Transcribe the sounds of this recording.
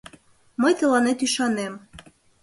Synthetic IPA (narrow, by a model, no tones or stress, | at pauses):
məjt̪ə̆lɑnet̪yʃɑnem